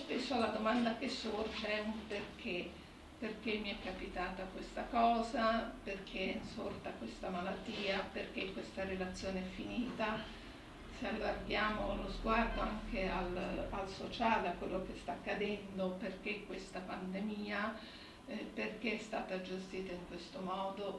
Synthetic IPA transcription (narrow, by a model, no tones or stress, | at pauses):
spesːoalad̪omand̪ak̟esːord͡ʒɛumperk̟ʰe | perk̟emːiɛkːapit̪aːt̪akwest̪akɔːzaperkʰensort̪akwest̪amalat̪ːiːaperk̟ekwest̪aɾelat̪sːjoːneɛfːiniːt̪a | sealːarɡ̪jaːmoalːozɡward̪oaŋk̟ʰealalsot͡ʃaːleakːwelːok̟est̪aːkːad̪ɛnd̪operk̟ekːwest̪apand̪emiːa | perk̟eɛst̪aːt̪ad͡ʒest̪iːt̪aiŋkwest̪omɔːd̪o